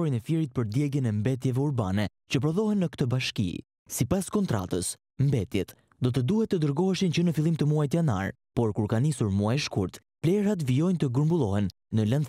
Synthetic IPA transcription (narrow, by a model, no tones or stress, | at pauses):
ɔɾinɛfjɛɾit̪̚pəɾd̪jɛɡjənɛmbɛt̪̬jɛvɛuɾbanɛ | t͡ɕəp̬ɾɔðɔɦɛnːəkt̪əbaʃkḭ | sipaskɔnt̪ɾa̰t̪əs | mbɛt̪jɛt̪ | d̪ɔt̪əd̪uhɛt̪ːəd̪əɾɡɔɦɛʃint͡ɕənəfilˠimt̪əmuajt̪̬jana̰ɾ | pɔɾkuɾkanisuɾmuajʃkuɾt̪ | plɛɾat̪̬vijɔjnt̪əɡəɾmbulˠɔhɛnː | ələn